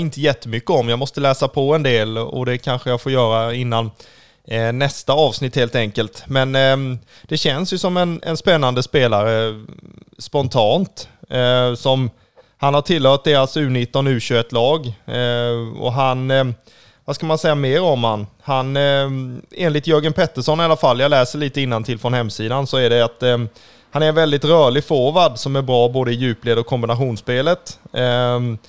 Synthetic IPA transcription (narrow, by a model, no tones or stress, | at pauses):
ɪnt̪əjɛt̪ʰːəmʏkːəɔmjaːmɔst̪əlɛːsapʰɔɛnd̪eːlɔ̰d̪ɛkʰanɧəjafoːɾjœːɾaɪnːanː | ɛst̪aɑːvsnɪt̪heːlt̪ɛŋkəlt̪mɛn | d̪̥ɛɕɛnsjɵsɔmɛnɛ̰nspɛnːand̪əspeːlaɾə | spɔnt̪ʰɑːnt̪ | sɔm | hanhaʈʰɪlːhœːt̪̚d̪eːɾasʉ̟ːnɪt̪ːɔnʉ̟ːɕøːɛt̪lɑːɡ | ɔ̰ɦan | vaskamansɛjːameːɾɔmhanhan | eːnlɪt̪jœɾɡənpʰɛt̪ːəʂɔnːɪalafalːjɑlɛːsəɭiːt̪əɪnːant̪ʰɪlfɾɔnhɛmːsiːd̪ansɔæɖɛat̪ | hanæɾvɛld̪ɪt̪ɾœːɭɪfoːvad̪sɔmæɾbɾɑːboːd̪əɪjʉ̟ːpleːd̪ɔkʰːɔmbɪnaɧuːnspeːlət̪